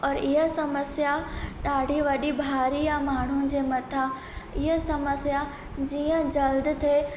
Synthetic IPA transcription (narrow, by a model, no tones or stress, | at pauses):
ɔːɾɪɦəsɐməsjaɗaːɽ̤ʱiʋɐɗibʱaːɾijamaːɳ̤̃ud͡ʑeːmɐt̪ʰa | ɪɦəsɐməsja | d͡ʑiːə̃d͡ʑɐld̪t̪ʰe